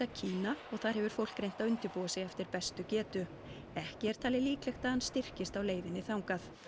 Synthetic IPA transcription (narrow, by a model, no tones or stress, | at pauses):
acʰiːnaɔɣθaðɾhɛvʏɾ̥fowl̥kɾejnt̪aðʏnt̪ʏpuːwasɛjɛft̪ɪɾpɛst̪ʏcɛːt̪ʏ | ɛhcɪɛɾ̥t̪ʰaːlɪliːklɛxt̪aðanst̪ɪr̥cɪst̪awleːjvɪnːɪθawŋkaθ